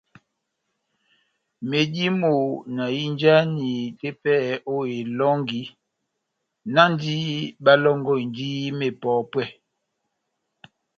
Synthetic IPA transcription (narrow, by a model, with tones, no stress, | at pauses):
me˨di˦mo˨na˨ji˦nd͡ʒa˦ni˨te˦pɛ˦˨o˦e˨lɔ˦ŋɡi˦ | na˦n˦di˦ɓa˦lɔ˦ŋɡɔ˦˨i˨ndi˦me˨pɔ˨˦pwɛ˦˨